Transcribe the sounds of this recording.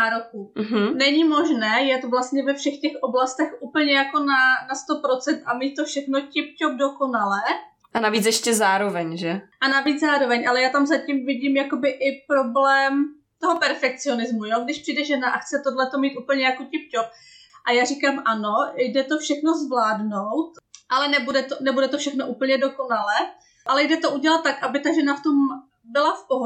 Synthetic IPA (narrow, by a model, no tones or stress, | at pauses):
naːɾokuɦ̩nɛɲimo̞ʒnɛːjɛt̪vlast̪ɲɛvɛfʃɛxcɛxʔoblast̪ɛxʔuːpl̩ɲɛjako̞nanast̪o̞pɾo̞t͡sɛnt̪amiːt̪̚t̪ːofʃɛxno̞cɪp̚cob̚doko̞nalɛː | ʔanaviːt͡sjɛʃcɛzaːɾovɛɲʒɛʔanavid͡zzaːɾo̞vɛɲʔalɛjaːt̪amzacimvɪɟiːmjako̞bɪʔɪpɾo̞blɛːm | t̪oɦopɛɾfɛk̚t͡sɪo̞nɪzmujoɡdɪʃpr̝̥ijdɛʒɛnaʔaxt͡sɛt̪odlɛt̪o̞miːt̪ʔuːpl̩ɲɛjakocɪp̚cop̚ | ʔajaːr̝iːkaːmʔano̞jdɛt̪o̞fʃɛxno̞zvlaːdno̞wt̪ʔalɛnɛbudɛt̪onɛbudɛt̪ofʃɛxnoʔuːpl̩ɲɛdo̞ko̞nalɛː | ʔalɛjdɛt̪o̞ʔuɟɛlat̪ːakʔabɪt̪aʒɛnaft̪om | bɪlafpoɦo